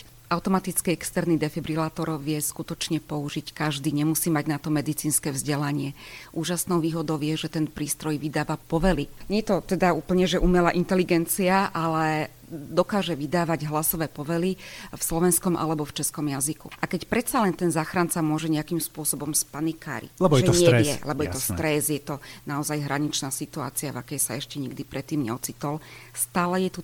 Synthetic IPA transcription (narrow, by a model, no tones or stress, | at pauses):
ʔaʊt̪ɔmat̪it͡skiɛkst̪ɛɾnid̪ɛfɛbɾilaːt̪ɔɾʋɪɛskut̪ɔt͡ʃɲɛpɔuʒickaʒd̪iːɲɛmusiːmaɟnat̪ɔmɛd̪it͡siːnskɛːvzɟɛlaɲɪɛʔuːʒasnɔʊʋiːɦɔd̪ɔʊjɛʒɛt̪ɛnpɾiːst̪ɾɔjʋid̪aːʋapɔʋɛliɲɛjɛt̪ɔt̪ɛd̪auːpl̩ɲɛʒɛʔumɛlaʔint̪ɛliɡɛnt͡siaʔalɛ | d̪ɔkaːʒɛʋid̪aːʋaɟɦlasɔʋɛːpɔʋɛlifslɔʋɛnskɔmʔa̰lɛbɔft͡ʃɛskɔmjazikṵʔakɛcpɾɛt̪salɛnt̪ɛnzaːxɾant͡samʊɔʒɛɲɛakimspʊɔsɔbɔmspanika̰ːɾḭɛɛʒɛɲɛɪjɛlɛbɔjɛt̪ɔst̪ɾɛzjɛt̪ɔnaɔzajɦɾʔaɲit͡ʃnaːsit̪ua̰ːt͡siava̰kɛjsaɛʃcɛɲiɡd̪ipɾɛt̪ːiːmɲɛ̰ɔt͡sit̪ɔlst̪aːlɛjɛt̪u